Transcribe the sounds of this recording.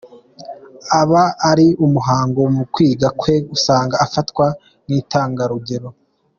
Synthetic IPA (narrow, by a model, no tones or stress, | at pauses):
aβaːɾiumuɦaːŋɡo̞mukwiːɡakwe̞usaːŋɡaːfatkwa | niːtaːŋɡaɾuɡe̞ɾo̞